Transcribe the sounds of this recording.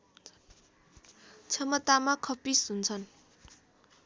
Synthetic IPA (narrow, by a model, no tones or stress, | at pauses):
t͡sʰʌmʌt̪amakʰʌpisunt͡sʰʌn